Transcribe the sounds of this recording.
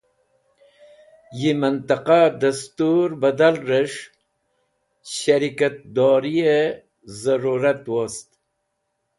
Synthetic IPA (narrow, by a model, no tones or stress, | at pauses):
jimant̪aqad̪ast̪uɾbad̪alɾeʂ | ɕaɾikat̪̚d̪ɔːɾie | zaɾuɾat̪wost̪